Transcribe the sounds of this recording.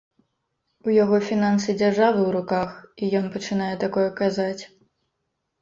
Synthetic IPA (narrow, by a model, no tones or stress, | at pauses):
ujaɣɔfʲinansɨd͡zʲarʐavɨwɾukaxijɔnpɐt͡ʂɨnajɛt̪akɔjɛkazat͡sʲ